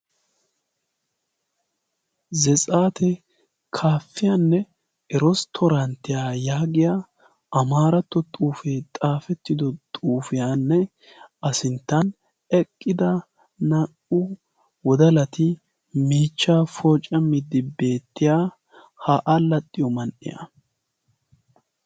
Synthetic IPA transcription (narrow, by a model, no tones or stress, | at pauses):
zɛt͡sʼaːt̪ʰɛ | kʰaːfːɪjanːɛ | ʔɛɾɔst̪ʰɔɾɐnt̪ːɪjaːjaːɡɪja | ɐmaːɾɐt̪ːɔt̪ʼuːfeːt̪ʼaːfɛt̪ːɪd̪ɔt̪ʼuːfɪjanːɛ | ʔɐsɪnt̪ːɐn | ɛkʼːɪd̪ɐ | nɐʔʊ | wɔd̪ɐlɐt̪ɪ | miːt͡ʃːaːfɔːt͡ʃʼːɐmɪd̪ːɪbe̞ːt̪ːɪjaː | haːʔalɐt̪ʼːɪjɔmɐnʔɪ̰jɐ̰